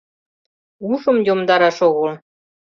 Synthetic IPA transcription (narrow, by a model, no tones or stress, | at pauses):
uʃə̆mjomd̪ɑɾɑʃoɣol